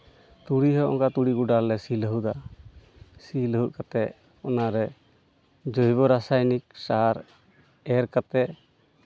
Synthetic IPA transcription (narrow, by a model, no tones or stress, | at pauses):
t̪uɽiɦɔʔɔ̰ŋkat̪uɽiɡuɖalːɛsiləɦud̪a | siləɦuʔ̪̚kat̪ɛʔ | ɔnaɾɛ | d͡ʒojbɔɾasajnik̚saɾ | ɛɾkat̪ɛʔ